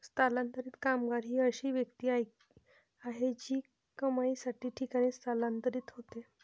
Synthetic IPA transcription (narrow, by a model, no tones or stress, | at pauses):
st̪alant̪əɾiːt̪kamɡaɾɦiːəɕiːʋjəkt̪iːaj | aɦed͡ʑiː | kəmaisaʈiːʈʰikaɽ̃iːst̪alãnt̪əɾiːt̪ɦot̪e